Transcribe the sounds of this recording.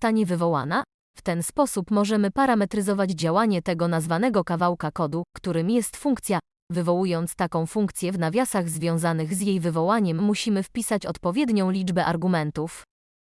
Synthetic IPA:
t̪aɲɛvɘvɔwa̰na | ft̪ɛnspɔsupmɔʐɛmɘpaɾamɛt̪ɾɘzɔvad͡ʑd͡ʑawaɲɛt̪ɛɡɔnazvanɛɡɔkavawkakɔd̪ukt̪uɾɘmjɛst̪fuŋkt̪sʲja | vɘvɔwujɔnt̪st̪akɔ̃w̃fuŋk̚t̪sʲjɛvnavʲjasaɣzvʲjɔ̃w̃zanɘɣzjejvɘvɔwaɲɛmːuɕimɘfpʲisat͡ɕɔt̪pɔvʲjɛd̪ɲɔ̃w̃lʲid͡ʐbɛʔaɾɡumɛnt̪uf

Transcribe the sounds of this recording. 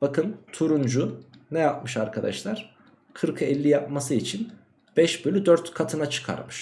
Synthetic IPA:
b̥akʰɯnt̪ʰuɾund͡ʒunɛjap̚mɯʃaɾkʰad̪a̰ʃlˠaɾ̥ | kʰɯɾkʰɯɛlʲːijap̚masɯit͡ʃʰin | b̥ɛʃbølʲyd̪øɾt̪kʰat̪ʰɯnat͡ʃʰɯ̥kʰa̰ɾmɯʃ

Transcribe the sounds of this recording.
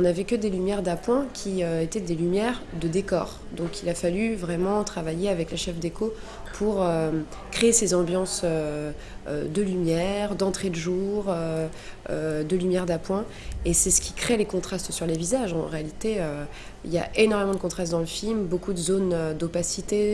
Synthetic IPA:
ɔ̃navɛkəd̪elymjɛʁd̪apwɛ̃kʲʰiøet̪ɛd̪elymjɛʁd̪əd̪ekɔ̰ːʁd̪ɔ̃kʰilafalyvʁɛmɑ̃t̪χavajeavɛklaʃɛfd̪ekʰo | pʰuʁø | kχeːsezɑ̃bjɑ̃sø̰ | d̪əlymjɛʁd̪ɑ̃t̪χed̪əʒuʁø | ød̪əlymjɛʁd̪apwɛ̃esɛsə̥kʲi̥kχelekɔ̃t̪χast̪syʁlevizaʒɑ̰̃ʁealit̪eø | ḭlja̰ʔenɔʁmemɑ̃d̪əkɔ̃t̪χast̪̚d̪ɑ̃ləfilmbokud̪əzonød̪opasit̪e

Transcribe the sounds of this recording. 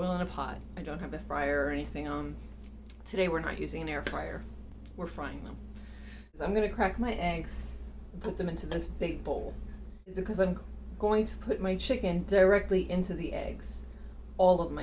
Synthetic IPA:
ɪlˠə̃nəpʰɑ̰t̚aɪdõʊ̃nt̚hɨvɨfɹa̰ɪə˞əɛniθɪ̃ŋʌ̃m | tʰɨɾeɪwəɹnə̰ʔjʉzɪ̃ŋɨ̃nɛɹfɹaɪə̰˞ | wɪɹfɹaɪɪ̰̃ŋðə̰̃m | zãɪ̃mɡʌnɨkʰɹ̥æk̚maɪʔɛɡz̥npʰʊt̪̚ðɨ̃mɪ̃ntʉðɪsb̥ɪɡ̚boʊlˠ | ɨzb̥ɨkʰʌzãɪ̃mɡ̥oʊɪ̃ŋtʰə̥pʰʊt̚maɪt͡ʃʰɪkɨ̃ndə˞ɛk̚tˡliʔɪ̃ntʉðiʔɛ̰ɡz̥ | ɔlˠʌvmaɪ

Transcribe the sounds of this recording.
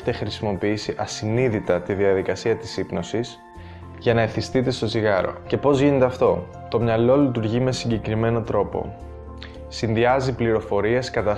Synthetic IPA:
t̪e̞xɾisimo̞piisiʔɐsiniðit̪ɐt̪iðiɐðikɐsiɐt̪i̥sipno̞sis | ʝɐnɐeθist̪it̪e̞st̪o̞ziɣɐɾo̞̰ce̞po̞zʝine̞t̪e̞ɐft̪o̞ | t̪o̞mɲɐlo̞lit̪̬uɾʝime̞siɲɟe̞kɾime̞no̞t̪ɾo̞po̞̰ | sinðiɐzipliɾo̞fo̞ɾie̞skɐt̪ɐ

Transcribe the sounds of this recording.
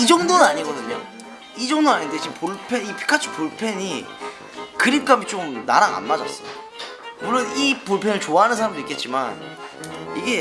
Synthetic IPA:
id͡ʑʌŋdonɯnaɲiɡʌdɯɲʌ̰ | id͡ʑʌŋdoaɲinded͡ʑipoɭpʰenipʰi̥kʰat͡ɕʰupoɭpʰe̞ɲi | kɯɾip̚k͈amit͡ɕomna̰ɾaŋa̰nmad͡ʑʌ̰s͈ʌo | muɭːonipuɭpʰenɯɭt͡ɕoaɦanɯns̬ʰaɾamdoik͈e̞t̚t͡ɕ͈iman | iɡe̞

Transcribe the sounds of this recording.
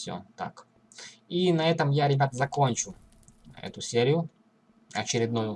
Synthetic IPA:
fsʲo̰t̪a̰k | inɐɛt̪əmjaɾʲɪbʲat̪əzɐko̞nʲt͡ɕʊ | ɛ̰t̪ʊsʲeɾʲɪjʊ | ɐt͡ɕɪɾʲɪd̪nujʊ

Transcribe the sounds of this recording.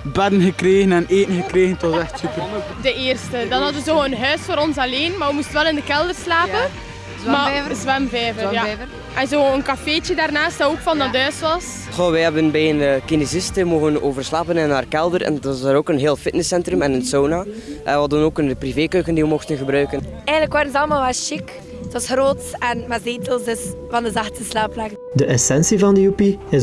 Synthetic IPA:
bɛdənɣəkreːɣənɛneːtənɣəkreːɣənətwɑzɛxtsypərkudəeːrstədɑnɦɑtəzoːənɦœːsfoːɾɔnsɑleːnmaːʋəmustʋɛlɪndəkɛlˠdərslaːpən | mazʋɛmvɛːvəja | ʔɛnzoːənkafeːt͡ʃədaːrnaːstaoːkfɑndɑtɦœːsʋɑs | xoʋɛɦɛbənbɛjənəkinezɪstəmoːɣənoːvərslaːpənɛnaːrkɛlˠdəɾɛ̰ntɑsaːɾoːkənɦeːlˠfɪtnɪsɛntrəmɛnənsoːnaːʔɛnʋɦɑdənoːkənpriveːkøːkəndiʋəmɔxtənɣəbɾœɥkən | ɛjɣənləkʋaːɾənzɑlˠəmaːlˠʋɛlˠʃɪk | tʋɑsroːtɛnmazeːtəlˠsdəs | vɑndəzɑxtəslaːplɛkədəʔɛsɛnsivɑndəupiɪ

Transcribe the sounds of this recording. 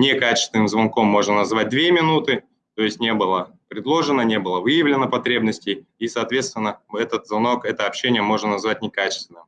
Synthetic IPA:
nʲekat͡ɕɪ̥st̪vʲɪnɨmzvɐnko̞mːo̞ʐnənɐzvat̚ʲd̪vʲe̞mʲɪnut̪ɨ | t̪o̞jɪsʲtʲnʲe̞bɨlˠə | pɾʲɪd̪lˠo̞ʐɨnənʲe̞bɨlˠəvɨjɪvlʲɪnəpɐt̪ɾʲebnəsʲtʲɪjisɐːt̪vʲe̞t̪st̪vʲɪnːəɛt̪ət̪zvɐno̞kɛt̪əɐpɕːenʲɪjəmo̞ʐnənɐzvat̚ʲnʲɪkat͡ɕɪ̥st̪vʲɪnːɨm

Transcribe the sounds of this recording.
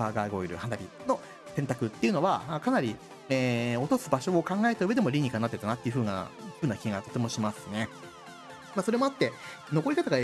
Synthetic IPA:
aːɡaːɡo̞iɾɯ̟̰hanaɾʲino̞ | sẽnt̪akɯ̟t̪ːe̞iɯ̟no̞βaakanaɾʲi | eo̞t̪o̞sɨbaɕo̞ːkãŋɡae̞t̪aɯe̞d̪e̞mo̞ɾʲiɲ̟ikaɲnat̪ːeɯt̪anat̪ːɯ̟ɸɯ̟ːŋa̰d͡ʑɨbɯ̟nakʲiɡat̪o̞t̪e̞moɕimasɨ̥ne̞ | maso̞ɾe̞mo̞at̪ːe̞ | no̞ko̞ɾʲikat̪aɡa

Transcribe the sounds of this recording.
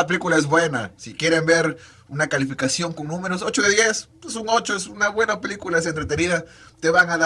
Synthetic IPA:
ape̞likulaezβwe̞na̰sikje̞ɾe̞mbe̞ɾ | unakalifikasjo̞ŋkoŋnũme̞ɾos̬o̞t͡ʃoðeðje̞s | esuno̞t͡ʃoesunaβwe̞nape̞likulaes̬ent̪ɾet̪eniða | t̪e̞βaŋaða

